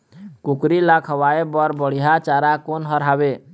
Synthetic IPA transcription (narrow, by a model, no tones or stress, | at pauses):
kukɾilakʰəwaebəɾbəɽ̤ijat͡ʃaɾakonɦəɾɦabe